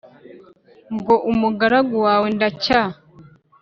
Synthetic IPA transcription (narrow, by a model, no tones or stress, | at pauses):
ŋɡoʔumuɡaɾaɡuwaːwendaca